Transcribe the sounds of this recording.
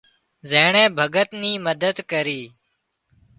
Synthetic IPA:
zeːɳẽːbʱəɡət̪niːməd̪əd̪kəɾiː

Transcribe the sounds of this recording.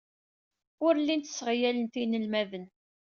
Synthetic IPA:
ʊɾlːint̪ə̥sːəʁjælənt̪inəlmævən

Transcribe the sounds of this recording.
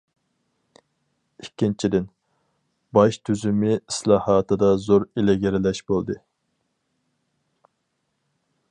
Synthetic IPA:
ikʲʰːint͡ʃʰid̪ɪn | bɑʃt̪ʰyzymɪislˠɑːhɑːt̪ʰɨd̪ɑzoɾelɪɡʲeɾɪlɛʃbolˠd̪ɨ

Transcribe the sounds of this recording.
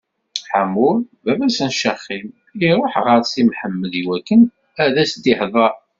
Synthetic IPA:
ħamulbæbæsənʃəχːim | iɾˤoħʁəɾˤsimħəmːəðiwækːən | æðæsd̪iħðˤɑ

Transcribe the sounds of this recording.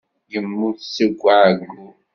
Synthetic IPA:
jəmːusəɡʷːaʕɡu

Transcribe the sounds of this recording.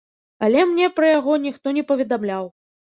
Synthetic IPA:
ɐlʲɛmnʲɛpɾɐjaɣɔnʲixt̪ɔnʲɛpɐvʲɛd̪amlʲaw

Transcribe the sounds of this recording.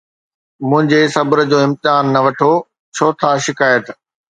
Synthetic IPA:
mʊ̃ɦɪ̃ɲd͡ʑesɐbəɾəd͡ʑoːɪ̃mt̪ɪaːnːɐʋɐʈʰo | t͡ɕʰoːt̪ʰaʃɪkaːjət̪

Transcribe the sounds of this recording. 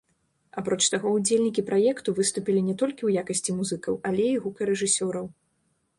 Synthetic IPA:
apɾɔt͡ʂt̪aɣɔud͡zʲelʲnʲikʲipɾajɛkt̪uvɨst̪upʲilʲinʲɛt̪ɔlʲkʲiwjakɐsʲt͡sʲimuzɨkɐwalʲɛiɣukɐɾɛʐɨsʲɔɾɐw

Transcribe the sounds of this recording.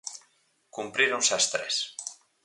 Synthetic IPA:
kumpɾiɾonsast̪ɾɛ̰s

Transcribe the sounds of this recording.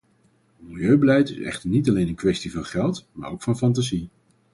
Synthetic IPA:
mɪlˠjøɥbəlɛjtɪsɛ̰χtəɹnitɑlejnənkʋɛstivɑnχɛlˠtma̰ːɹowkfɑnfɑnt̬azi

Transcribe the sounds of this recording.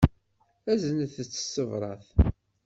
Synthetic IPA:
æzənəθt͡sːə̥sːəvɾˤɑ̰θ

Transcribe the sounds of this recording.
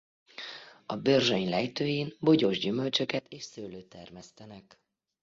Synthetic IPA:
ɒbørʒøɲlɛjt̪øːjeːnboɟoʒɟymø̞lt͡ʃø̞kɛt̪eːʃsøːløːt̪ɛrmɛst̪ɛnɛk

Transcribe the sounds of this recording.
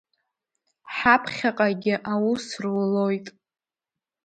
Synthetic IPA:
ħapʰχʲaqʼaɡʲɪʔawusrwlojtʼ

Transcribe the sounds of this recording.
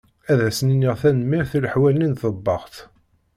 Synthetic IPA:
æðæsninːiʁθænəmːiɾθiləħwælninθəbːɑʁt̪

